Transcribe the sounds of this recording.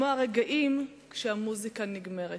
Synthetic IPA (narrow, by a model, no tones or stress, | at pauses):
oaʁeɡaʔim | kʃehamuzikaniɡme̞ʁe